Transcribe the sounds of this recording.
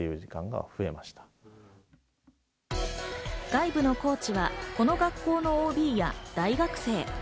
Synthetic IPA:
ejɯ̟ːʑikãŋɡa̰ɸɯ̟e̞maɕi̥t̪ḁ | ɡ̥aibɯ̟no̞ko̞ːt͡ɕiβako̞no̞ɡakːo̞ːno̞oːbʲiːja̰d̪̥aiɡakɯ̟̥se̞ː

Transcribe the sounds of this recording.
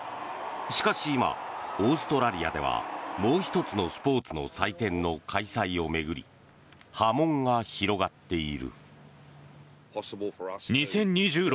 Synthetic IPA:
ɕi̥kaɕiːma̰o̞ːsɨ̥t̪o̞ɾaɾʲia̰d̪e̞βa̰mo̞ːçi̥t̪o̞t͡sɨno̞sɨ̥po̞ːt͡sɨno̞̰sait̪ẽ̞nːo̞kʰaisaio̞me̞ɡɯ̟ɾʲḭ | hamõ̞ŋɡaçiɾo̞ɡat̪ːe̞iɾɯ̟̰ | pʰsblˠɲisẽ̞ɲ̟ɲːiʑɨːɾ

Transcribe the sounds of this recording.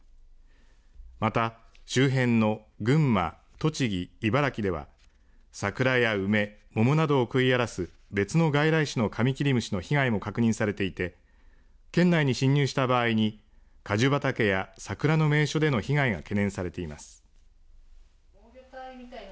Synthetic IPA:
mat̪aɕɨːɦẽ̞nːo̞ | ɡɯ̟̃mːa̰ | t̪o̞t͡ɕiɡʲiːbaɾakʲid̪e̞βa̰ | sakɯ̟ɾajaɯ̟me̞mo̞monad̪o̞ːkɯ̟iaɾasɨ | be̞t͡sɨno̞ɡaiɾaiɕino̞kʰamʲikʲiɾʲimɯ̟ɕino̞çiɡaimo̞kakɯ̟ɲ̟ĩsaɾe̞t̪e̞it̪e̞ | kẽ̞nːaiɲ̟iɕĩɲ̟ːɨːɕi̥t̪abaːiɲ̟i | kaʑɨbat̪ake̞jasakɯ̟ɾano̞me̞ːɕo̞d̪e̞no̞çiɡaiɡa̰ke̞nẽ̞ɰ̃saɾe̞t̪e̞imasɨ̥

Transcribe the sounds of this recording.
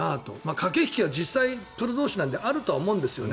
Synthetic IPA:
at̪o̞̰maːkʰake̞çi̥kʲiβad͡ʑisːaipɯ̟ɾod̪oːɕinãnd̪eʔaɾɯ̟t̪o̞aomõ̞ɯ̃nd̪e̞sɨjo̞ne

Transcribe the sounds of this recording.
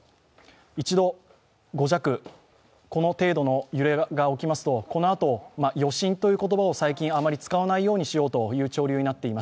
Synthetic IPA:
it͡ɕid̪o̞ | ɡo̞ʑakɯ̟ | ko̞no̞t̪e̞ːd̪o̞no̞jɯ̟ɾe̞ɡao̞kʲimasɨ̥t̪o̞ko̞no̞at̪o̞majo̞ɕĩnt̪o̞jɯ̟ːko̞t̪obao̞saikʲĩɰ̃amaɾʲit͡sɨ̥kaβanaijo̞ːɲ̟iɕijo̞ːt̪o̞jɯ̟ːt͡ɕo̞ːɾʲɯ̟ːɲ̟inat̪ːe̞imas

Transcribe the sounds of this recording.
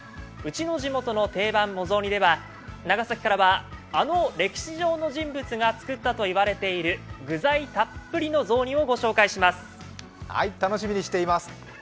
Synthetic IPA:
ɯ̟t͡ɕino̞ʑimo̞t̪o̞no̞t̪e̞ːbãmːo̞zo̞ːɲ̟id̪e̞βa | naɡasakʲi̥kaɾaβaːno̞ɾe̞kʲi̥ɕiʑo̞ːno̞ʑĩmbɯ̟t͡sɨɡat͡sɨ̥kɯt̪ːat̪o̞iβaɾe̞t̪e̞iɾɯ̟ɡɯ̟zait̪apːɯ̟ɾʲino̞zo̞ːɲ̟ʲio̞ɡo̞ɕo̞ːkaiɕimasɨ̥ | ha̰it̪anoɕimʲiɲ̟iɕi̥t̪e̞imasɨ̥

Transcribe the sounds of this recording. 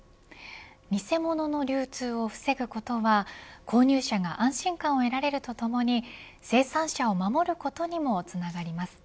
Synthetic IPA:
mʲise̞mo̞no̞no̞ɾʲɨːt͡sɨːo̞ɸɯ̟̥se̞ɡɯ̟ko̞t̪o̞βakʰo̞ːɲ̟ʲɨːɕaɡaʔãɰ̃ɕĩŋkãɰ̃o̞e̞ɾaɾe̞ɾɯ̟t̪o̞t̪o̞mo̞ɲ̟i | se̞ːsãɰ̃ɕao̞mamo̞ɾɯ̟ko̞t̪o̞ɲ̟imo̞t͡sɨnaɡaɾʲimasɨ̥

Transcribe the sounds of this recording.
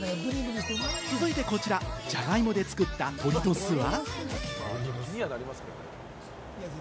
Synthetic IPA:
ɾʲĩɡɯd̪iet͡sɨzɨit̪e̞ko̞t͡ɕiɾad͡ʑaɡaimo̞d̪e̞t͡sɨ̥kɯ̟t̪ːat̪ʰo̞ɾʲit̪osɨβa | mʲianaɾʲimasɨ̥kakoɾe

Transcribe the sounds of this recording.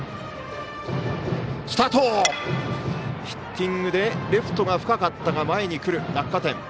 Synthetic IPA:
sɨ̥t̪at̪oː | çi̥kʲːĩŋɡɯ̟d̪e̞ɾʲɯɸɯ̟̥t̪o̞ɡaɸɯ̟̥kakat̪ːaɡamae̞ɲ̟ikɯ̟ɾɯ̟nakːat̪ẽ̞

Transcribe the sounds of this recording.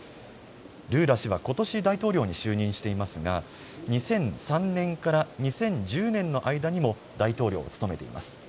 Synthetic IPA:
ɾɯ̟ːɾaɕiβ̞ako̞t̪o̞ɕid̪ait̪o̞ːɾʲo̞ːɲ̟iɕɨːɲ̟ĩɰ̃ɕi̥t̪e̞imasɨɡa̰ɲ̟isẽ̞ɰ̃sãnnẽ̞ŋkaɾaɲ̟isẽ̞ɲd͡ʑɨːnẽ̞nːo̞ʔaid̪aɲ̟imo̞ | d̪ait̪o̞ːɾʲo̰ːt͡sɨ̥t̪o̞me̞t̪e̞̰ḭmʔa̰sɨ̥

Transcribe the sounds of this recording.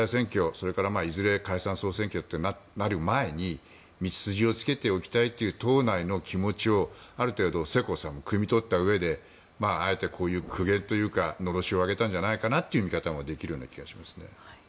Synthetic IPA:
aisẽ̞ŋkʲo̞so̞ɾe̞kaɾamaːizɨɾe̞kaisãɰ̃so̞ːsẽ̞ŋkʲo̞t̪ːe̞nanaɾɯ̟mae̞ɲ̟i | mʲit͡si̥sɨʑio̞t͡sɨ̥ke̞t̪e̞okʲi̥t̪ait̪ːe̞jɯ̟t̪o̞ːnaino̞kʲʰimo̞t͡ɕio̞aɾɯ̟t̪e̞ːd̪o̞se̞ko̞sãmːo̞kɯ̟mʲit̪o̞t̪ːaɯ̟e̞d̪e̞ | maːe̞t̪e̞kʰo̞ːjɯ̟ːkʰɯ̟ɡẽ̞nt̪o̞jɯ̟ːkano̞ɾo̞ɕio̞aɡe̞t̪ãɲ̟d͡ʑanaikanat̪ːeiɯ̟mʲikat̪amo̞d̪e̞kʲiɾɯ̟jo̞ːnakʲiɡaɕi̥masɨ̥ne̞̰

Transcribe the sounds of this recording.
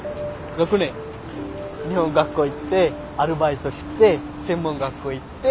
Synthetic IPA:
ɾokɯne | ɲiɦõŋɡakːoit̪ːe | aɾɯbait̪oɕi̥t̪ːe | sẽ̞mːõŋɡakːoit̪ːe

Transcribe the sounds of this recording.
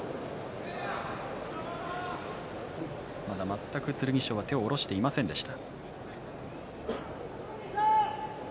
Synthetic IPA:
mad̪amat̪ːakɯ̟t͡sɨɾɯ̟ɲ̟iɕo̞ːβat̪e̞o̞ːɾo̞ɕi̥t̪e̞imasẽ̞nd̪e̞ɕi̥t̪a

